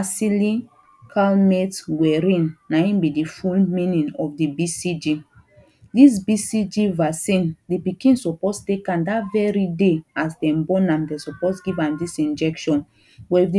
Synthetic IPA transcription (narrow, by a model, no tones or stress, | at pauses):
asilĩ | kʰalmetɡwɛɾĩnːaĩnbidifulmĩnĩnɔfdibisid͡ʒi | dis̬bisid͡ʒivasĩndipikĩnsɔpostekãndatvɛɹideasdɛ̃mbɔnãmdɛsɔposɡivãmdisĩnd͡ʒɛkʃɔ̃n | bɔifdi